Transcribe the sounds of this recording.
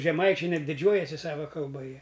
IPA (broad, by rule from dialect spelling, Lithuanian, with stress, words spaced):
ʒʲɛˈmɐɪt͡ʃʲɛɪ ˈnʲɛt dʲɪˈd͡ʒʲuɔjɛsʲɪ ˈsɑːʋɐ kɐlˠˈbɐ ˈjiɛ